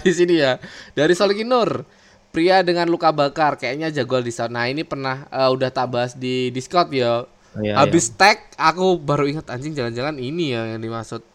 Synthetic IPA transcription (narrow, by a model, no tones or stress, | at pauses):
disinijadaɾisolikinʊr | pɾiadəŋanlukabakarkajaʔɲad͡ʒaɡualdisat̪̚nainipərnahəːudaht̪aʔbaɦasdidiskɔt̪̚ja | ɦabɪst̪ɛk̚akubaɾuiŋət̪aɲd͡ʒɪŋd͡ʒaland͡ʒalaninijajaŋdimasʊt̪̚